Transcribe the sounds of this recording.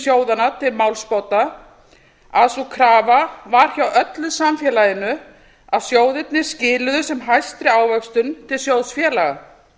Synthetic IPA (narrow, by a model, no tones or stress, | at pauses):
sjoːwðanat̪ʰɪlmawlspɔwt̪na | aðsukʰɾaːvavaɾ̥çawœt̪lʏðsamfjɛlajɪnʏ | aðsjoːwðɪt̪̚nɪ̥scɪːlʏðʏsɛmɦajst̪ɾɪaːwvœkst̪ʏnt̪ʰɪlsjowðsfjɛːlaɣa